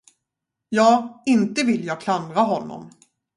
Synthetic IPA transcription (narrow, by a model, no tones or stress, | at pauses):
jɑːɪnt̪əvɪljɑːɡkʰland̪ɾaɦɔnːɔ̰m